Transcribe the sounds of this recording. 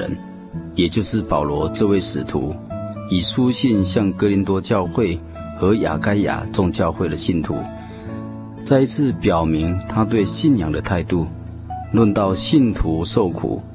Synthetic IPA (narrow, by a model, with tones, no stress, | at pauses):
ə̰˧˦n | jɛ˨˩t͡ɕjo˥˧ʊʂɻ̩˥˩pɑ˨˩ʊlwɔ˧˦ʈ͡ʂɤ˥˧we˥˩ɪʂɻ̩˨˩t̪ʰṵ˧˦i˨˩ʂu˦ɕi˥˧nɕjɑ˥˩ŋkɤ˥li˧˥nt̪wɔ˥t͡ɕjɑ˥˧ʊxwe˥˩ɪ | xɤ˧˥ja̰˨˩ka˥ɪja̰˨˩t͡sʊ˥˧ŋt͡ɕjɑ˥˧ʊxwe˥˩ɪd̪ə˩ɕi˥˩nt̪ʰṵ˧˦ | t͡sa˥˧i˧˥t͡sʰɹ̩˥˧pjɑ˨˩ʊmi˧˥ŋt̪ʰa˥t̪we˥˧ɪɕi˥˨njɑ˨˩ŋd̪ə˦t̪ʰa˥˧ɪt̪u˥˧ | lwə˥˧nt̪ɑ˥˧˨ʊɕi˥˨nt̪ʰu˧˦ʂo˥˩ʊkʰṵ˨˩˦